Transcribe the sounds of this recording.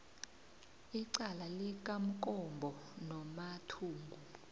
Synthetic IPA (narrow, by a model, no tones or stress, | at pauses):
iǀalalik̬ʼam̩kʼɔmbʱɔnɔmatʰuːŋɡʱu